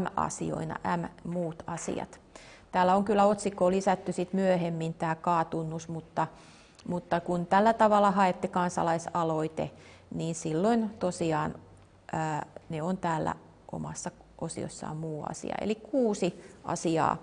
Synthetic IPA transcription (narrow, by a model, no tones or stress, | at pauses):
æmɑ̰sḭo̰inɑ̰ʔæmmuːt̪ɑsḭɑ̰t̪ | t̪æːlːæoŋkylːæot̪sikːˑoːlisæt̪ːysit̪myøhemːint̪æːkɑːt̪unːusmut̪ːɑ | mut̪ːɑkunt̪ælːæt̪ɑʋɑlːˑɑhɑet̪ːikɑnsɑ̰lɑisɑloit̪ḛ | niːnsilːoint̪osiɑːn | əːneont̪æːlːæ̰ | ʔo̰mɑ̰sːɑʔosḭo̰sːɑ̰ːmuːɑ̰sḭɑ̰ḛlikuːsiʔɑ̰siɑ̰ː